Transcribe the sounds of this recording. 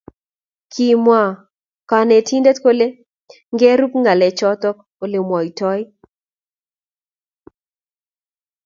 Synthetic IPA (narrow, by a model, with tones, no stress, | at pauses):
kʰi˨mwa˨ | ka˨nɛ˨tʰi˦nde˦tko˦le˦ | ŋɡɛ˦ɾu˦pŋa˨lɛ˨t͡ʃɔ˦t̪ɔ˦k | o˨lɪ˨mwɔ˨i˨tɔ˦jɪ˦